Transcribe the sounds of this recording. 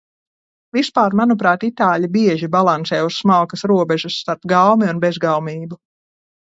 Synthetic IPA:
vispaːɾmanupɾaːt̪it̪aːʎʲibiɛʒibalˠantsɛːussmalˠkɐsɾuɔbɛʒusːt̪aɾt̪ɡawmiunbezɡawmiːbu

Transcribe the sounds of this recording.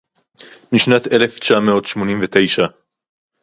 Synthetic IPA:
miʃnat̪ele̞ft͡ʃaameo̞t̪ʃmo̞nimvet̪e̞jʃa

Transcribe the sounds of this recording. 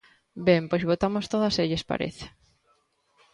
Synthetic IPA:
bempojzβot̪amost̪oðaseʎespa̰ɾḛθe̥

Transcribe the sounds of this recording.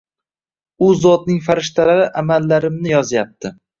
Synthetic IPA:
ʊzɒt̪nɪŋfaɾɪʃt̪ʰalaɾɪʔamalːaɾɪmnɪjɒzjap̚t̪ʰɪ

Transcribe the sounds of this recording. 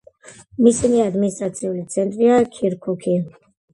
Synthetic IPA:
misiniad̪minist̪ʼɾat̪sʰiulit̪sʰɛnt̪ʼɾiakʰiɾkʰukʰi

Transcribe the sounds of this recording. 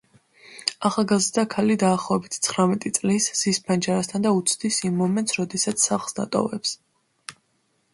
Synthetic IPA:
aχalˠɡazɾd̪akʰalid̪aːχlˠɔɛbit̪ʰt̪sʰχɾamɛt̪ʼit̪sʼlisz̥ispʰand͡ʒaɾast̪ʰand̪aut̪sʰd̪isimːɔmɛnt̪sɾɔd̪ɛsat̪sʰːaχlˠsd̪a̰t̪ʼɔ̰vɛps

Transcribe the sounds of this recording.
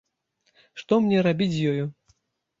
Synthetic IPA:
ʂt̪ɔmnʲɛɾabʲit͡sʲjɔju

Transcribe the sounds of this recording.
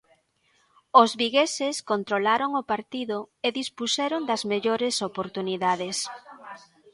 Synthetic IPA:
ozβiɣeseskont̪ɾolaɾoŋopaɾt̪iðʊeðispusɛɾond̪ɐzmeʎoɾesopoɾt̪uniðaðes

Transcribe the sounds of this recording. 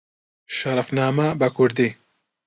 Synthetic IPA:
ʃɐɾɐfnaːmɐbɐkʰʊɾd̪i

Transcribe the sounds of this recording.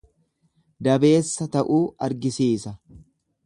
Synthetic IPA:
d̪ɐbe̞ːsːɐt̪ɐʔuːɐɾɡɪsiːsɐ

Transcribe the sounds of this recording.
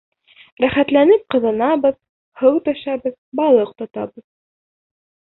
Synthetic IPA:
ɾæχæt̪lænɘp̚qɤ̆ðɤ̆nɑβɤð | hɤwt̪ɑʃɑbɤðbɑlˠɤq̚t̪ɒt̪ɑbɤð

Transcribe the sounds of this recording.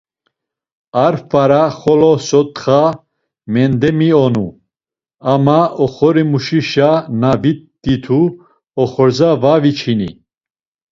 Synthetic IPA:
aɾfaɾaχɔlɔsɔt̪χa | mɛnd̪ɛmiɔnu | amaɔχɔɾimuʃiʃanavit̪̚d̪̥it̪ʰu | ɔχɔɾzavavit͡ʃʰinḭ

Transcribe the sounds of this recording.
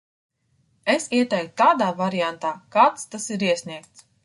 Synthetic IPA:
esiɛt̪ɛjkt̪ut̪aːd̪aːvaɾijant̪aːkaːt̪st̪asiɾiɛsʲniɛkt̪s

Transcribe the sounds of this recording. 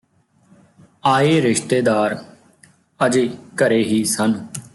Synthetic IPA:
aːeːɾɪʃt̪eːd̪aːɾ | əd͡ʒeːkəɾeːɦiːsən

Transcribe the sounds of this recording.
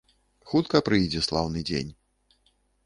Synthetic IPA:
xut̪kɐpɾɨjd͡zʲɛslˠawnɨd͡zʲḛnʲ

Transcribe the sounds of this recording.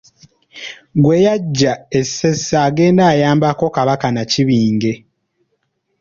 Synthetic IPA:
ɡwe̞jaɟːaesesːaːɡe̞ːndaːjaːmbako̞kaβakanaciβiːŋɡe̞

